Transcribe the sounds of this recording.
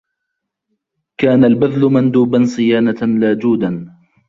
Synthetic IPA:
kaːnalbaðlʊmand̪uːbansˤɨjaːnalaːd͡ʒuːd̪an

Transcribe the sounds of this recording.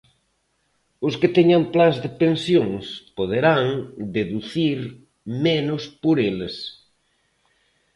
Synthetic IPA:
ʊskɪt̪eɲamplazðɪpẽnsjoŋspoðeɾaŋd̪eðuθiɾ | menʊspoɾeles

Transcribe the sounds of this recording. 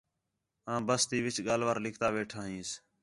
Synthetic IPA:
ãːbəst̪iːʋɪt͡ʃɠaːlʋəɾlɪkʰt̪aːʋeːʈʰaːɦĩːs

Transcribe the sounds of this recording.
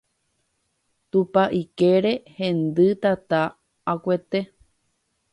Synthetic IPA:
t̪upaʔikeɾehẽ̞nd̪ɨt̪at̪aː | kʷe̞t̪e̞

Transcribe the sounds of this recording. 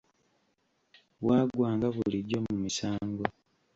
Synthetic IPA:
βwaːɡwaːŋɡaβuliɟo̞mumisaːŋɡo

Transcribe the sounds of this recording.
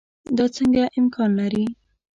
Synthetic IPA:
d̪ɑt͡səŋɡaʔɪmkʰɑnlaɾi

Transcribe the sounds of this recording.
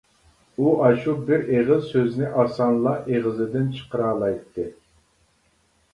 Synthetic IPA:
uʔɑʃubɪɾeʁɨzsøznɪʔɑsɑnlˠɑʔeʁəzɨd̪ɪnt͡ʃʰə̥qəɾɑːlˠɑjt̪ʰːɨ

